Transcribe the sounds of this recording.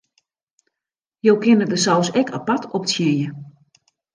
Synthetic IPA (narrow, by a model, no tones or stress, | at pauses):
jowkɪnədəsawsɛkʰapatʰɔptsjɪjə